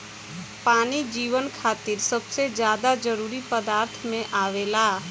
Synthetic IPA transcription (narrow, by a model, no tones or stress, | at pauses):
paːnid͡ʒiːʋənkʰaːt̪ɪɾsəbsed͡ʒjaːd̪ad͡ʒəɾuːɾipəd̪aːɾt̪ʰmẽʔaːʋeːlaː